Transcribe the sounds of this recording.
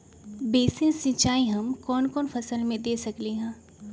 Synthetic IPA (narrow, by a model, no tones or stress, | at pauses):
beːsɪ̃sɪ̃t͡ʃaːiɦɐmkɔːnkɔːnfɐsəlmẽd̪eːsɐkleɦɛ̃ː